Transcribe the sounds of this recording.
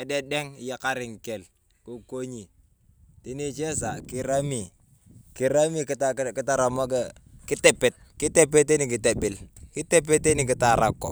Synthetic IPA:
ɛ˨de˦dɛ˦ŋ˨je˨ka˦ɾɪ˨ŋke˨l | ku˨ko˦ɲi˨ | ti˦ni˦t͡ʃe˦nsa˨ki˦ɾa˦mi˨ | ki˨ɾa˦mi˨kta˦˨˦ki˦ta˦ɾa˨mo˦ke˦ | ki˦te˨pe˨t̚ki˦te˦pe˦tːe˦ni˨ki˨te˨bi˨lki˦te˦p̬e˦tːe˦ni˨ki˨ta˨ɾa˨kːo̰˨

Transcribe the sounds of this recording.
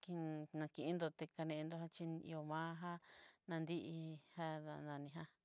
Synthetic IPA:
ki˧nã˧kĩ˧ʔi˧˦nd̪o˧t̪e˧ka˧nẽ˧ʔe˧nd̪o˧ha˦t͡ʃi˧n˧ḭ˧o˧mãː˦ɦa˦nã˧nd̪i˦ʔi˧ha˦a˧nã˧nĩ˧ɦa˧

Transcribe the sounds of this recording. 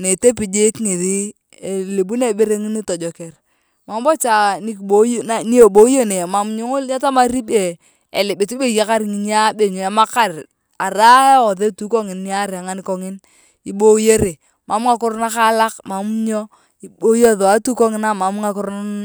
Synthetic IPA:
ne˨te˦pi˨d͡ʒɪ˦kŋi˨ði˦ | e˨li˨bu˦ne˦˨be˦ɾe˦ŋi˦ni˦tɔ˨d͡ʒɔ˨ke˨r | ma˨m˦bɔ˦t͡ʃa˨ni˦kbo˨˦˨na˨ni˦o˨bo˨˦jo˦ne˨ma˨m˦ɲo˦ŋo˦lɲa˦ta˦ma˦ɾi˦be˨ | e˨lɪ˨bɪ˨t͡ʃi˦be˦je˦ka˦ɾŋi˨˦n˦a˦be˨ɲo˨a˦ma˦ka˦ɾ | a˨ɾa˦e˦o˨ðe˦tu˦ko˦ŋɪ˨nːi˦a˦ɾa˨ŋa˦ni˦kɔ˦ŋɪ˦n | i˨bo˦je˦ɾe˨ | ma˨m˦ŋa˨kʊ˦ɾna˦ka˦la˦kma˨m˦ɲo˦ | i˨˦bo˦jo˦ðo˨a˦tu˦ko˦ŋɪ˦na˦ma˨˦m˦ŋa˨˦kʊ˦ɾ

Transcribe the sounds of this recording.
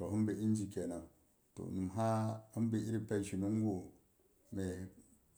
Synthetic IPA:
to˨ɦu˦mbe˨i˦n˦d͡ʒi˨ke˨na˨ | to̰˨nu˨m˨ɦa˦hi˦m˦bi˨i˦ɾi˦pe˦˨ʃi˨nu˦ŋ˦ɡo˨ | me˨

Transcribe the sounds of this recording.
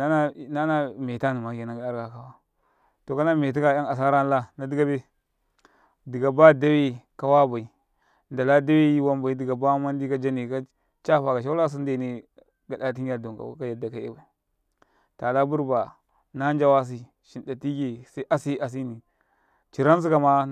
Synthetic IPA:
a˦na˦˨na˦na˦me˨ta˦ni˨ma˨ke˨na˨ɡa˨˦a˦ɾɡa˨ka˦wa˦ | to˨ka˦na˦me˨t̬i˦ka˨ja˦ŋa˨s̬a˦ɾa˦n˦la˦na˨˦di˦ɡa˦be˦ | di˨ɡa˨ba˦da˦we˦ka˦wa˦ba˨i˨ | nda˨la˦da˦we˦ji˦wa˦mba˨i˦di˨ɡa˨ba˦ma˦n˦di˦ka˦d͡ʒa˦ni˨ka˦ | t͡ʃa˦fa˨ka˨ʃ̬a˦la˦s̬u˦n˦de˨ni˦ | ɡa˨da˨t̬i˦a˦˨do˨ŋka̰˨w̰ka˦ja˨da˨ka˦ḛ˦ba˨i˨ | ta˨la˦bu˦ɾba˨ | na˦nd͡ʒa˦wa˦s̬i˦ | ʃi˨nda˨ti˦ɡe˨sʔa˦si˦a˨s̬i˦ni˨ | t͡ʃi˨ɾa˦ns̬i˦ka˨ma˦

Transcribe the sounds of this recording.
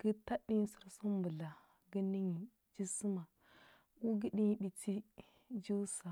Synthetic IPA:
ɡ̥ə˦ta˦ɗi˦ɲ˦su˨ɾsu˦m˦bu˨la˨ | ɡə˦ni˦ɲi˨ | d͡ʒi˦su˦ma˨ | ku˦ɡə˦ɗi˦ɲ˦ɗi˨ti˦ | d͡ʒu˦sa˨

